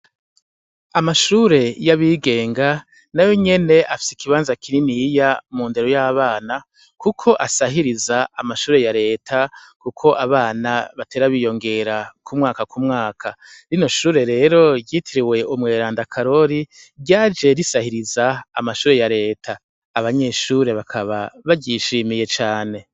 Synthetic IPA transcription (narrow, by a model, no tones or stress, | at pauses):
amaʃuːɾe̞jaβiɡe̞ːŋɡa | najo̞ɲe̞ne̞ʔafi̥sikiβaːnzakʰininijamuːnde̞ɾo̞jaːβaːna | kukʰo̞ʔasaɦiɾizaːmaʃuːɾe̞jaɾe̞ːtʰakukʰo̞ʔaβaːnaβate̞ːɾaβijo̞ŋɡe̞ɾakumŋaːkakumŋaːkʰaɾino̞ʃuːɾe̞ɾe̞ːɾo̞jiːtʰiɾiwe̞umŋe̞ːɾaːndakʰaɾo̞ɾi | ɾɟaːd͡ʒe̞ɾisahiɾizaːmaʃuːɾe̞jaɾe̞ːtʰaː | βaɲe̞ːʃuːɾe̞βakʰaβa̰βaɟiʃiːmije̞t͡ʃaːne̞